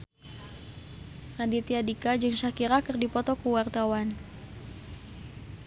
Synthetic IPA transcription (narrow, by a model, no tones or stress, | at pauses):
radit̪iadikad͡ʒɨŋsakiɾakɨrdipɔt̪ɔkuwart̪awan